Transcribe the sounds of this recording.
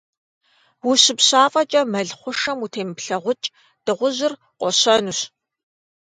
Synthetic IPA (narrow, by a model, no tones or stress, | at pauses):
wʊɕɪpɕaːfʼɐt͡ʃʼɐmɐɮχʷʊʂɐmutʰeːmɨpɬɐʁʷʊt͡ʃʼ | d̥ɨʁʷʊʑɪr | qʷʼɔɕɐnuːɕ